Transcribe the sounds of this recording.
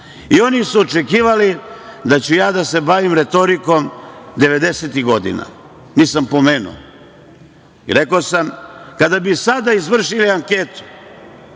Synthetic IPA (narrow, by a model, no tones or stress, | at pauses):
io̞nisuot͡ʃe̞kiːʋalid̪at͡ɕujaːd̪ase̞baʋimɾe̞t̪o̞ɾiko̞md̪e̞ʋe̞d̪e̞set̪iɣɡo̞d̪ḭna̰ | niːsampo̞meːnṵo̰ | ḭɾe̞kosamkad̪abisad̪aizʋr̩ʃiliaŋke̞t̪u̥